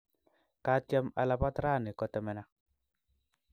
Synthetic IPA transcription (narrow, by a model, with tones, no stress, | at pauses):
ka˦tja˦ma̰˨la˨pa˦tɾa˦˨ne˨kɔ˨tɛ˨mɛ˨na˦